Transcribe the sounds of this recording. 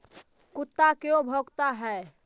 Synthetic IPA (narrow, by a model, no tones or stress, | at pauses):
kut̪ːakeobʱɔɡt̪aɦɛ